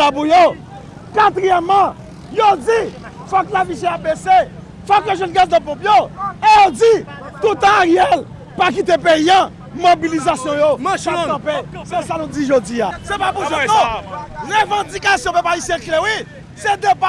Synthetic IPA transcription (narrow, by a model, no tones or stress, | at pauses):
apujo | kat̪ʁijɛmã | jod͡zi | fɔklavisjɛ̃abese | fɔkeʒɔ̃nɡasd̪ãpɔ̃pjoejod͡zi | t̪ut̪ãaʁjɛl | pak̬it̪epeiã | mobilizasjɔ̃jõãpesesanũd͡ziʒod͡ziasepapuɔɔ̃ʁevɑ̃d͡zikasjɔ̃pɛpaisjɛ̃klɛwi | sed̪epa